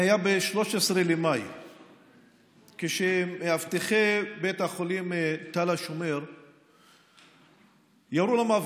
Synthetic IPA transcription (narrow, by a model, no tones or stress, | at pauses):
ajabeʃlo̞ʃesʁelemaj | keʃemehavt̪iχebet̪haχolimt̪alaʃomeʁ | jaɾulamav